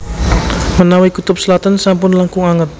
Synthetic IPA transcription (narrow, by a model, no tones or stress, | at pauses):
mənawikut̪ʊp̚səlat̪ansampʊnlaŋkʊŋaŋət̪̚